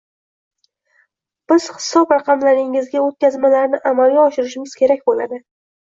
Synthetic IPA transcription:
b̥ɪz̥hɪ̥sɒpɾɑqɑmlaɾɪŋɪzɡʲaot̪̚kʲazmalaɾnɪʔamalˠɡʲaɒʃɪɾɪʃɪmɪz̥kʲʰe̞ɾak̚ʲbola̰d̪ɪ

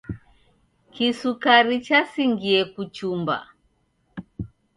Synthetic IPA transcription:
kisukaɾit͡ʃasiŋɡiɛkut͡ʃumba̰

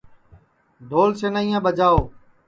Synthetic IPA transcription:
d̪ʱoːlseːnaːĩːãːbəd͡ʒaːoː

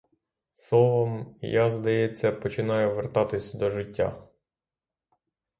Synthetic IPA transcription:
sˠɔʋɔmjazd̪ɐjɛt͡sʲːɐpɔt͡ʃɪnɑjʊʋert̪ɑt̪ɪsʲɐd̪ɔʒɪtʲːa̰

